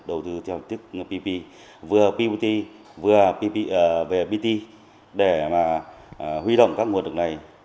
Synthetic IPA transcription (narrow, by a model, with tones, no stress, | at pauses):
ɗə˨˩wt̪ɨ˧t̪ʰɛ˧wt̪ʰi˦˥k̚pi˧pi˧ | vɨ˨˩əpi˧ɓi˧t̪i˧ | vɨ˨˩əpi˧i˧ʔve˨˩ɓi˧t̪i˧ | ɗe˧˩maː˨˩ | hwi˧ɗo̰˧˨wŋ͡mkaː˦˥k̚ŋ˨˩ənɗɨ˨˩k̚na˨˩j